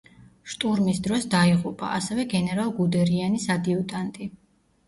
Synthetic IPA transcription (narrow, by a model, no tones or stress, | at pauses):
ʃt̪ʼuɾmisd̪ɾɔsd̪aiʁupʼa̰ʔasɛvɛɡɛnɛɾalˠɡud̪ɛɾianisad̪iut̪ʼant̪ʼi